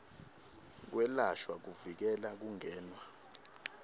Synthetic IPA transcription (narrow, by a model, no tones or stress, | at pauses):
k̬wɛlaʃwak̬uvik̬ɛlak̬uŋɛːnwa